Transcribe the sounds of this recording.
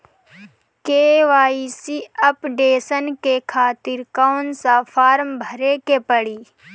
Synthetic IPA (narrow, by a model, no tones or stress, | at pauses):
keːʋaːisiɐpɖeːsənkekʰaːt̪ɪɾkaːnsapʰaːɾmbʱəɾekepəɽiː